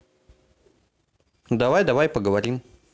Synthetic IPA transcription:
d̪awajd̪awajpəɡəwaɾim

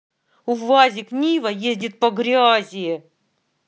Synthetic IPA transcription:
ʊvazʲɪknʲivɐjezʲdʲɪt̪̚pɐɡɾʲazʲɪje

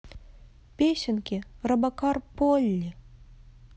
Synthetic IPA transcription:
pʲeɕɘ̆nkʲirɐbɑkɑrpolʲːi

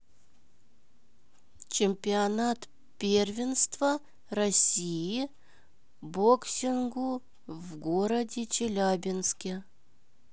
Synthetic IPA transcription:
t͡ɕɪmʲpʲɪɐnat̪ | pʲervʲɪnst̪vɐ | rɐsʲiji | boksʲɪnɡu | vɡoɾɐdʲɪt͡ɕɪlʲabʲɪnskʲe

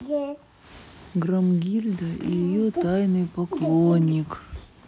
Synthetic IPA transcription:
ɡɾɐmɡʲilʲd̪əḭjɪjot̪ajnɨjpɐklˠonʲːɪk

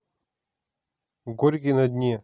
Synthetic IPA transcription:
ɡoɾʲk̬ʲinɐd̪ʲnʲe

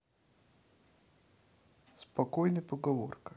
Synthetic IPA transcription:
spɐkojnəjpəɡɐvo̰rkɐ

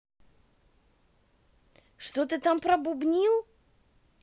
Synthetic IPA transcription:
ʂt̪ot̪ɨt̪ampɾɐbʊbnʲilˠ

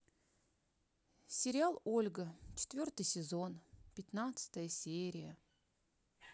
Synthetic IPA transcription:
sʲɪɾʲɪalˠo̞lʲɡət͡ɕɪ̥t̪vʲo̞rt̪ɨjsʲɪzo̞npʲɪt̪nat̪sɨ̥t̪əjəsʲeɾʲɪjə

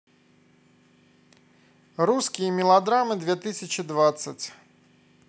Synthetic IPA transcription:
ruskʲijəmʲɪlˠad̪ɾamɨd̪vʲɛt̪ɨsʲɐt͡ɕɪd̪vat̪sːət͡sʲ

